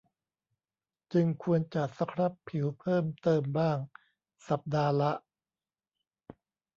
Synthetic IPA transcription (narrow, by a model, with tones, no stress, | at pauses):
t͡ɕɯ˧ŋkʰu˧ənt͡ɕa˨˩t̪̚sa˧˦˥kʰɾa˦˥pʰːi˨˩˦wpʰɤː˥˩mt̪ɤː˧mbaː˥˩ŋ | sa˨˩p̚daː˧la˦˥ʔ